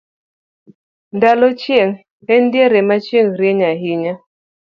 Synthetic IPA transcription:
ndalot͡ʃieŋ | hɛndeɾɛmat͡ʃeŋɾeɲaɦiɲa

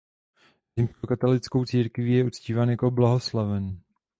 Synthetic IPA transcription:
zɪmskokat̪olɪt͡skowt͡siːɾkvijɛut͡sciːvaːnjako̞blaɦo̞slavɛn

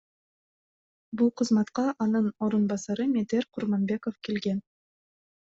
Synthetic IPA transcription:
bulˠqʰɯzmɑt̪qɑʔɑnɯno̞ɾunbɑsɑɾɯmʲed̪eɾqʰʊɾmonbʲe̞kofkelɡen

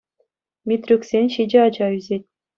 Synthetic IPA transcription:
mʲit̪ʲrʲyksʲenʲɕid͡ʑeɑd͡ʑɑyzʲet̚ʲ

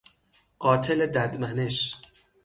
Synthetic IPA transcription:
ɢ̥ɒːt̪ʰeled̪æd̪mæne̞ʃ

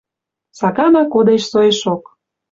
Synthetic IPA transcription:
sɑkɑnɑkod̪eʃsojeʃok

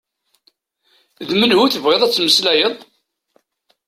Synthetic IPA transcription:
ðmənhuθəvʁeðˤæt͡sːməslæjəðˤ

